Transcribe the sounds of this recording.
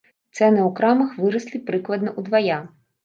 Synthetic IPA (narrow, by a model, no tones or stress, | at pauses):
t̪sɛnɪukɾamɐxʋɨɾɐsʲlʲˠipɾɪklˠɐd̪nɐʔud̪ʋɐja